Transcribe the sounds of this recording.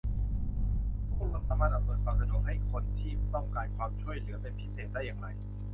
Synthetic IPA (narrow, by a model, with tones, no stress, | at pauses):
o˧˥a˧˥˩saː˨˧˦maː˧˩ʔa˧˩msɤː˨˩kwaː˧msa˧du˨˩ɦa˥˩jkʰo˧nt̪ʰiː˥˩t̪ɔ˥˩ŋkaː˧nkʰwaː˧mt͡ɕʰu˥˩əjlɯ˩˦ɐpe˧npʰi˦˥seː˨˩t̪̚daː˥˩jːaː˨˧˩ŋɾa˧j